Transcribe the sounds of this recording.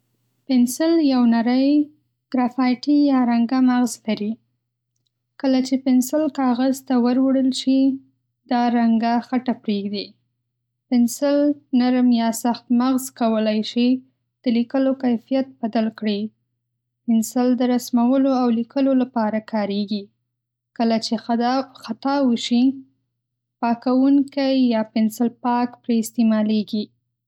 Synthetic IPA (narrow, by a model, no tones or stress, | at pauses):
pɪnsɪljawnaɾəj | ɡ̥ɾafɑjʈijɑɾaŋɡamaɣzlaɾi | kəlat͡ʃepɪnsɪlkɑɣazt̪awəɾwəɽəlt͡ʃe | d̪ɑɾaŋɡaxaʈapɾeɡd̪i | pɪnsɪlnaɾmjɑsaxt̪maɣzkawəlajʃi | d̪̥əlikəlokajfijat̪̚bad̪alkɽi | pɪnsɪld̪əɾasmawəloawlikəlolapɑɾakʰɑɾeɡi | kəlat͡ʃexat̪ɑwəʃi | pɑkawuŋkajːɑpɪnsɪlpɑkpɾeɪst̪emɑleɡi